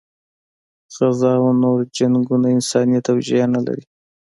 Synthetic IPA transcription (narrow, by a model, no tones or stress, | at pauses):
ɣazɑanoɾd͡ʒaŋɡunaɪnsɑnijat̪awʒijanala̰ɾi